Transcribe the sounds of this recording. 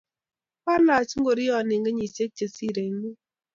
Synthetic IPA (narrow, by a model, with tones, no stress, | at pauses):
ka˦la˨t͡ʃŋ̩˦ɡo˨ɾi˦ɔ˨nɪ˨ŋɡə˦ɲi˨se˦k̚t͡ʃe˨si˦˨ɾe˨˦ŋ˦ɡu˦